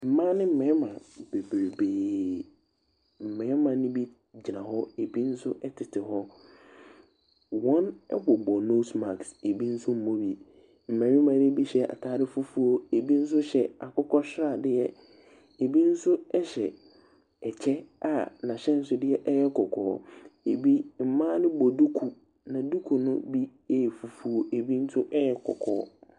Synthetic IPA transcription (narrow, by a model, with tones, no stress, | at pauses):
m̩˨mã˦nɪ̃˦m̩˦˨mɛ̃˨˦mã˨be˨bɾe˨beː˨ | m̩˨mɛ̃˨˦mã˨nɪ̃˦bi˦ | d͡ʑi˨nã˨ɦɔ˦e˨bi˦n̩˦sʊ˦ʔɛ˦tʰɪ˨tʰɪ˨ɦɔ˦ | wɔ̃˦nɛ̰˦bɔ˨bɔ˨no˦sma˨kse˨bi˦n̩˦sʊ˦m̩˦mõ˦bi˨ | m̩˨mɛ̃˨˦ɪ̃˦mã˨dɪ˦bi˦ɕɛ˦ʔa̰˨tʰaː˦ɾɪ˦fʊ˦fu˦o˦e˨bi˦n̩˦s̬ʊ˦ɕɛ˨a˨kʊ˦kʰɔ˦ɕɪ˦ɾa˨dɪ˦jɛ˦ | e˨bi˦n̩˦sʊ˦ɛ˦ɕɛ˨ | ɛ˨t͡ɕʰɛ˦a˨nã˨ɕɛ˦n̩˦sʊ˦dɪ˦ɛ˦ʔɛ˦jɛ˦kʰɔ˨kʰɔ̰ː˨˦e˨bi˦m̩˨mãː˦nɪ̃˦bɔ˨du˦kʰu˨ | nã˨du˦kʰu˨nʊ̰̃˦bi˦e˦˨fu˨fu˦o˦ʔe˨bi˦n̩˦sʊ˦ʔɛ˦jɛ˦kʰɔ̰˨kʰɔ̰ː˨˦